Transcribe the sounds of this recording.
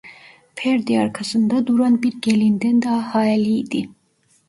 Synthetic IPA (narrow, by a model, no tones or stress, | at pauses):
pʰeɾd̪iɑɾkʰasɯnd̪ɑd̪uɾɑnbiɾɡelind̪ɛnd̪ɑːhɑːɛliːd̪i